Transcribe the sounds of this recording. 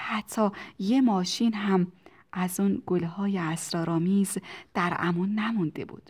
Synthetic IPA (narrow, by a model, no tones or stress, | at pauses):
hæt̪ʰːɒːjemɒːʃiːnɦæm | ʔæzunɡolhɒːjeæsɾɒːɾɒːmiːzd̪̥æɾæ̰munːæmund̪e̞̰bṵːd̪̥